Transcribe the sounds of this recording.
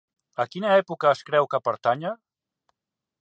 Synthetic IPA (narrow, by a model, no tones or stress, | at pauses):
əkinəɛpukəːskɾɛwkəpəɾt̪aɲə